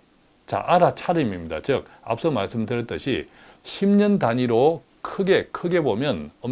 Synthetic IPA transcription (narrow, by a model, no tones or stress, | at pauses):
t͡ɕa̰ʔaɾat͡ɕʰaɾɯimimɲida̰t͡ɕɯk̚a̰p̚s͈ʌmaɭs͈ɯmdɯɾɭt͈ɯɕʰḭ | ɕʰimɲʌndaɲiɾo | kʰɯɡe̞kʰɯɡe̞bomjʌnʌm